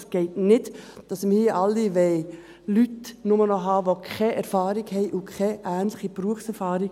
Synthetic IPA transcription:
sɡ̥ɛɪtnɪdd̥ɑsmiʔɑlːiʋɛɪ | lytnʊmənɔɦɑːʋokʰχɛʔɛɾfɑːɾɪɡhɛɪʔʊkʰɛʔæːnlɪχib̥ɾuəfsɛɾfɑːɾɪɡ

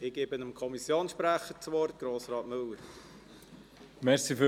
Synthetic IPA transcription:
ɪɡ̥eːbənəmkʰɔmisjoːnsʃpɾæχət͡sʋɔrt̚ɡ̥ɾoːsrɑːtmɵlːəɾ | mɛɾsifø

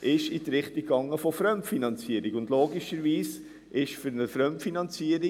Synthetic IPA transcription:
ʔɪʃitɾɪχtikːɑŋːəfɔfɾœmtfinɑnt͡siəɾiɡʊndloːɡiʃəɾʋiːs | ʔɪʃfʏɾnəfɾœmtfinɑnt͡siəɾi

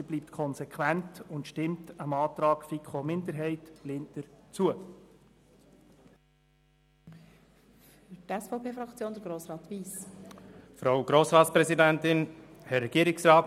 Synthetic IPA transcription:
ib̥liːp̚tkʰɔnsɛkʰwæntʊntʃtɪmtəmɑːtɾɑːɡ̥fikχomɪndəɾɦɛɪtlɪntəɾt͡suə | fyɾtɛsfɔʊpʰeːfɾɑkt͡sjoːndəɾɡɾoːsɾɑːt̪ʋiːs | fɾaʊɡɾoːsɾɑːtspɾɛzidɛntɪn | hɛɾːɛɡ̥iːɾɪksɾɑː

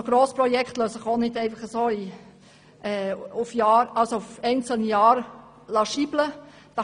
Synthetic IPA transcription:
ɡ̥ɾoːspɾɔjɛkt̪løːsɪχonɪdɛɪfɑχəsoːi | ɛːʊfjɑːɾɑlsoʊfɛɪnt͡səl̩nəjɑːɾ | lɑʃiːb̥lə | d̥ɑ

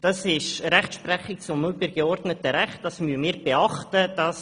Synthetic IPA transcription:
d̥ɑsɪʃɾɛχtʃprɛχɪk̚t͡sʊmːʊpəɾɡ̥eɔrdnətəɾɛχt̚d̥ɑsmyəmiːɾbeɑχtəd̥ɑs

